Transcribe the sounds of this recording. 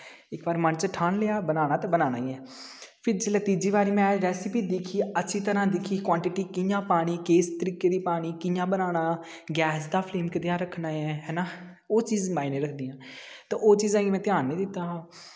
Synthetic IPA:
ɪkbaːɾmənt͡ʃəʈʰaːnleːaːbənaːñaːt̪ãːbənaːna̰ːiɛː | pʰɪɾd͡ʒelət̪iːd͡ʒiːʋaːɾiːmɛ̃ːɾɛːsɪpiːd̪ɪkʰiːətːʃʰiːt̪əɾãːd̪ɪkʰiːkwaːɳʈɪʈiːkɪjãːpaːɽ̃iːkeːst̪əɾiːkːeːd̪iːpaːɽ̃iːkɪjãːbənaːnaː | ɡɛːsd̪aːpʰleːmkəd̪jãːɾəkʰnaːɛːɦɛːnaː | oːt͡ʃiːzmaːineːɾəkʰd̪iːjãːt̪ãːʔoːt͡ʃiːzãːɡiːmɛ̃ːt̪ɪjaːnːĩːd̪ɪt̪ːaːɦː

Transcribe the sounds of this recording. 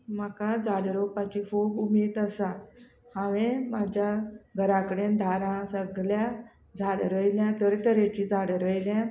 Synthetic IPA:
makad͡zaɽɾopat͡ɕikʰuːbumiːt̪əsa | hãʋẽmad͡ʑʱjaɡʱəɾãkəɽend̪ʱaɾãsəɡlja | d͡zʱaɽɾəjljãt̪əɾit̪əɾet͡ɕid͡zʱaɽɾəjljã

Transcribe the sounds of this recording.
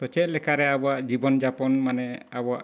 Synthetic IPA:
pɔt͡ʃɛt̪̚lɛkaɾɛabɔaʔd͡ʒibɔnd͡ʒapɔnmanɛabɔaʔ

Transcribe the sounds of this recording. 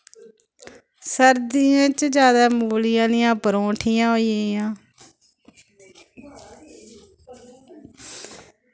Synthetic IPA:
səɾd̪iãːt͡ʃd͡ʒjaːd̪aːmuːlɪjãːnɪjãːpəɾõːʈʰijãːɦoːiajãː

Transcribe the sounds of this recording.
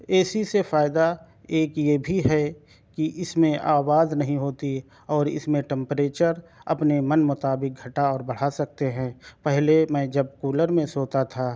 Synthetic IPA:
ɛːsisefaːɪd̪a | eːkjebʱiɦɛ | kiʔɪsmẽʔaːwaːznɐɦĩɦoːt̪i | ɔːɾɪ̰smẽʈɛ̃mpɾeːt͡ʃəɾɐ̰pnemənmʊt̪aːbɪk̚ɡʱɐʈaɔːɾbəɽ̤asɐk̚t̪eɦɛ̃ːpɛɦlemɛ̃ːd͡ʒɐb̚kuːləɾmẽsoːt̪at̪ʰaː

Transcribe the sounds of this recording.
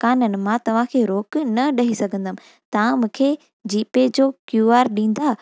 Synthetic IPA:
kaːnənɪ̆mãt̪ɐʋ̤ãkʰeːɾoːknɐɗɐɦisɐɡʱə̃nd̪əmɪ̃ | t̪ɐʋ̤ãmũːkʰe | d͡ʑiːped͡ʑoːkjuaːɾɗĩːn̆d̪aː

